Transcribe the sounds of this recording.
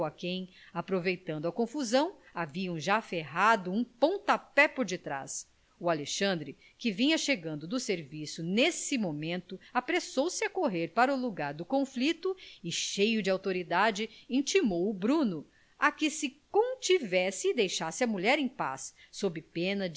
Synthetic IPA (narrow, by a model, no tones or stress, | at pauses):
ɐkẽj̃ | apɾovejt̪ɐ̃nd̪ʊɐkõfuzɐ̃w̃aviɐ̃w̃ʒafeɦad̪ʊũpõw̃t̪ɐpɛpoɾd͡ʒɪt̪ɾa̰s | ʊaleʃɐ̃nd̪ɾɪ | kɪvĩɲɐʃeɡɐ̃nd̪ʊd̪ʊseɾvisʊnesɪmomẽnt̪ʊapɾesowsɪɐkoɦeɾpaɾɐʊluɡaɾd̪ʊkõflit̪ʊɪʃejʊd͡ʒɪawt̪oɾid̪ad͡ʒɪĩt͡ʃimowʊbɾũnʊ | akɪsɪkõw̃t͡ʃivɛsɪːd̪ejʃasɪɐmuʎɛɾẽj̃pa̰sː | obɪpẽnɐ